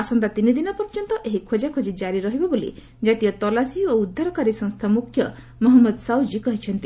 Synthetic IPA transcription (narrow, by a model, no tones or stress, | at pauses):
asɔnt̪at̪inid̪inɔpɔɾd͡ʒɔnt̪ɔʔeɦikʰod͡ʒakʰod͡ʒid͡ʒaɾiɾɔɦibɔbolḭ | d͡ʒat̪ijɔt̪ɔlasioud̪ʱːaɾɔkaɾisɔ̃ŋst̪ʰamukʰjɔ | mɔɦɔmːɔd̪sawd͡ʒikɔɦit͡ʃʰɔnt̪i